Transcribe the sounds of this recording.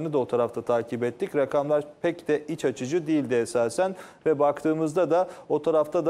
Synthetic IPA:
nɯd̪ao̞t̪ʰaɾaft̪ʰat̪ʰaːcʰibɛt̪ːicɾakʰamlˠaɾpʰɛcd̪ɛit͡ʃat͡ʃʰɯd͡ʒud̪ijilʲd̪iɛsaːsæn | vɛbakt̪ʰɯːmɯzd̪ad̪ao̞t̪ʰaɾaft̪ʰad̪

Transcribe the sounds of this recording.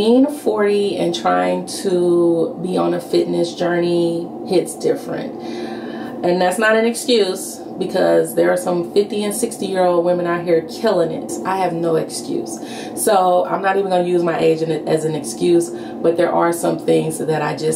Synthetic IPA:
ĩnfɔɹɾiɨ̰̃ntʰɹ̥aɪɪ̃ŋtʰəbiə̃nɨfɪʔⁿnɨsd̥ʒ̥ɜ˞ni | hɪtsd̥ɪfɹɨ̰̃nt | ɨ̃nðætsnəɾɨ̃nɨkskjʉz̥ | b̥ɨkʰʌzðə˞ːsʌ̃ɱfɪftiɨ̃nsɪkstijɪɹoʊlˠd̚wɪ̃mɨ̃ñaʊt̚ɦiɹkʰɪlˠɪ̃ŋɪ̰tʔaɪɨvnoʊɨkskjʉ̰s | soʊã̰ɪ̃mnəɾivə̃n̩ɡʌ̃nɨjʉzmaɪʔeɪd͡ʒɨ̃nɨzɨ̃nɨkskjʉz | b̥ʌt̪̚ðə˞ʔə˞sʌ̃mθɪ̃ŋzðɨɾaɪd͡ʒʌs

